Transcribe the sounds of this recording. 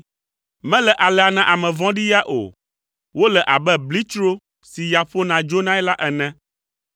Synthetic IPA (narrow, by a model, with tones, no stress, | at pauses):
mɛ̃˦lɛ˨ʔa˨lɛ˨a˨nã˨ʔa˨mɛ̃˨vɔ̃˦ɖi˦ja˦ʔo̰˨ | wo˦lɛ˨ʔa˨bɛ˦bli˦t͡ʃɾo˦ | si˨ja˨ɸo˦nã˨d͡ʒo˦nã˦ɛ˦la˦ʔɛ˨nɛ̃˦